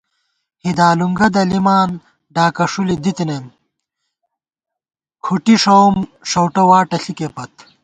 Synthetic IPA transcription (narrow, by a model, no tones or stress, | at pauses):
hid̪aːluŋɡɐd̪ɐlimaːn | ɖaːkɐʂulid̪it̪inem | kʰuʈiʂowmʂɐwʈɐwaːʈɐɬikepɐt̪